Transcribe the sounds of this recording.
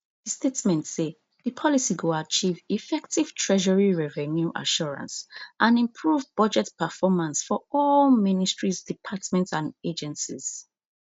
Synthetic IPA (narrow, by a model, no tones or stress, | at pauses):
ðəstetmɛ̃ntse | ðəpʰɔlisiɡoat͡ʃivifɛktiv̥tʰɹɛʒɔɹiɹɛvɛnjuʔa̰ʃɔɹã̰nsʔãnĩmpʰɹuvbʌd͡ʒɛtpəfɔmãnsfɔɔlministɹizdipʰatmɛ̃ntsãned͡ʒɛ̃nsiz̥